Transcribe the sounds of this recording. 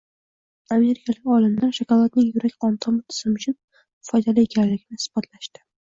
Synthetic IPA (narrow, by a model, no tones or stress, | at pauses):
ame̞ɾɪkʰalɪkʲɒlɪmd̪anʃakɒlˠat̪lɪkʲjʊɾakʲqʰɒnt̪ʰɒmɪt̪ʰɪ̥z̥ɪmʊt͡ʃʰʊn | fɒjd̪alie̞kʲʰanlːɪɡʲɪnɪsb̥ɒt̪ʰlaʃt̪ɪ̥